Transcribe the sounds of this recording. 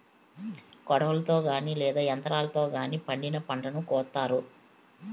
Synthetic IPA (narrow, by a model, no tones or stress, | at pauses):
kɔɽɐʋɐlɐt̪o̞ːɡaːniːlɛːd̪aːjɐnt̪ɐɾaːlɐt̪o̞ːɡaːniːpɐɳɖinɐpɐɳʈɐnukɔːt̪ːaːɾu